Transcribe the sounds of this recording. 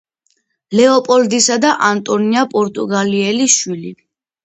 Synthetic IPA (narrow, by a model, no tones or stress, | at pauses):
lɛɔpʼɔld̪isad̪aʔant̪ʼɔniapʼɔɾt̪ʼuɡaliɛliʃwili